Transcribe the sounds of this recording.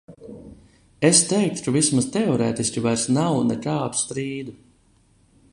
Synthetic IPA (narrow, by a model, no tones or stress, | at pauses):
est̪ɛjk̚ʃuvismast̪ɛɔɾɛːt̪isʲkʲivajɾsnawnɛkaːd̪u̥st̪ɾiːd̪u